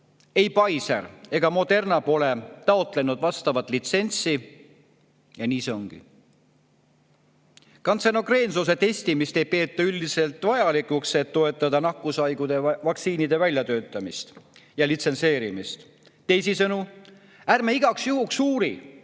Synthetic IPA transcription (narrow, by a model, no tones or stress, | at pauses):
e̞jpɑjsḛre̞ɡ̥ɑmo̞d̪e̞rnɑpo̞le̞t̪ɑo̞t̪ˑle̞nud̪̥vɑst̪ɑvɑt̪ˑlit̪se̞nʲt̪si | jɑniːse̞o̞ŋɡ̥ḭ | kɑnseno̞kre̞ːnsus̬e̞t̪e̞sʲt̪imist̪e̞jpe̞ːt̪ːˑɑyld̪ise̞lt̪ːˑvɑjɑlikˑukse̞t̪ːo̞e̞t̪ːˑɑd̪ɑnɑkːˑusɑjɡ̥ud̪̥e̞vɑksiːnid̪e̞vælʲjɑt̪ø̞ːt̪ːˑɑmist̪jɑlit̪se̞nse̞ːɾimist̪ | t̪e̞jsisɤnu | ærmeiɡ̥ɑksjuɦuksuːɾi